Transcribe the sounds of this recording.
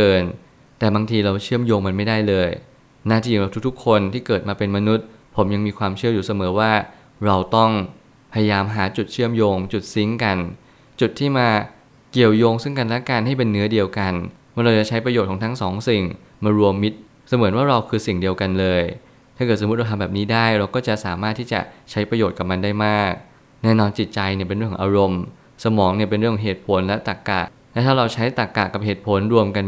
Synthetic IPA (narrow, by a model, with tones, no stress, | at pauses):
kɤː˧n | t̪ɛː˨˩baː˧ŋt̪ʰiː˧ɾa˧wt͡ɕʰɯ˥˩əmjoː˧ŋma˧nma˥˩jdaː˥˩jlɤː˧j | naː˥˩iː˥˩˨ɾa˧˩t̪ʰu˦˥t̪ʰu˦˥kʰːo˧nt̪ʰiː˥˩kɤː˨˩t̪̚maː˧pe˧nma˧nu˦˥t̪̚ | pʰo˩˦mja˧ŋmiː˧kʰwaː˧mt͡ɕʰɯ˥˩əjuː˨˩sa˧mɤː˩˦waː˥˩ | ɾa˧wt̪ɔ˥˩ŋ | pʰa˧ja˧jaː˧mɦaː˩˦t͡ɕu˨˩t̪̚t͡ɕʰɯ˥˩əmjoː˧ŋt͡ɕu˨˩t̪̚si˦˥ŋka˧n | t͡ɕu˨˩t̪ʰːiː˥˩maː˧ | ki˨˩əwjoː˧ŋsɯ˥˩ŋka˧nlɛ˦˥kaː˧nɦa˥˩jpe˧nːɯ˦˥ɐdi˧əwka˧n | waː˧˩nɾa˧wt͡ɕa˨˩t͡ɕʰa˦˥jpɾa˧jo˨˩kʰːŋt̪ʰa˦˥ŋsɔː˩˦ŋsi˨˩ŋ | maː˧ɾu˧əmːi˦˥t̪̚ | sa˧mɯ˨˩˦ənwaː˥˩ɾa˧wkʰɯː˧si˨˩ŋdi˧əwka˧nlɤː˧j | t̪ʰa˥˩ɤ˨˩so˨m̚˦˥ɾa˧t̪ʰa˧bɛː˨˩niː˦˥daː˥˩jɾa˧wkɔː˥˩t͡ɕa˨˩ʔsaː˩˦maː˥˩t̪ʰːiː˥˩t͡ɕa̰˨˩t͡ɕʰa˦˥jpɾa˧joː˨˩t̪̚ka˨˩ma˧ndaː˥˩jmaː˥˩k̚ | nɛː˥˩nɔː˧nt͡ɕi˨˩t̪̚t͡ɕa˧jni˧˩pe˧nɾɯ˥˩ŋʰkʰːʔaː˧ɾo˧m | sa˧mɔː˩˦ŋni˥˩əpe˧nɾŋkʰɔ˩˦ɦeː˨˩t̪̚pʰo˩˦nlɛ˦˥t̪a˨˩kːa̰˨˩ | lɛ˦˥t̪ʰaː˥˩ɾa˧wt͡ɕʰa˦˥jt̪a˨˩kːaː˨˩ka˨˩p̚heː˨˩t̪̚pʰo˩˦nɾu˧əmka˧n